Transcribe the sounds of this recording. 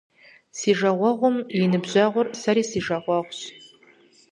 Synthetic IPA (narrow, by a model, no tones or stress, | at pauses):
siʒɐʁʷɑʁʷʊmjinɨbʑaʁʷʊrsaɾiːsiʒɐʁʷɑʁʷɕ